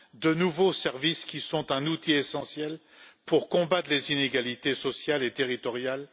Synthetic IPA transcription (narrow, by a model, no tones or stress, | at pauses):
d̪ənuvosɛʁviskʲisɔ̃t̪ɛ̃nut̪iesɑ̃sjɛl | puʁkɔ̃bat̪χlezineɡalit̪esɔsjalet̪eʁit̪ɔʁjal